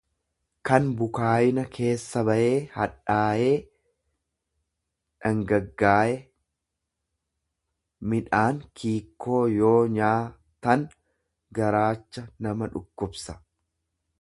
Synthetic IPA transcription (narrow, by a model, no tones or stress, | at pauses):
kɐnbʊkaːjɪnɐkʰe̞ːsːɐbɐʔe̞ːhɐᶑaːʔe̞ː | ᶑɐŋɡɐɡːaːʔɛ | mɪᶑaːŋkʰiːkʰːo̞ːjo̞ːɲaː | t̪ɐn | ɡɐɾaːt͡ʃːɐnɐmɐᶑʊkːʊbsɐ̥